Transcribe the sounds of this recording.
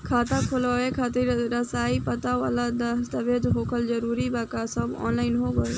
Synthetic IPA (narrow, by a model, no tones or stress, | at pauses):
kʰaːt̪akʰolɔekʰat̪iɾɾəsaːipət̪aʋa̰lad̪əst̪abed͡ʒɦokʰəld͡ʒəɾuːɾibakasəbɔ̰nlaːɪnɦoɡɔe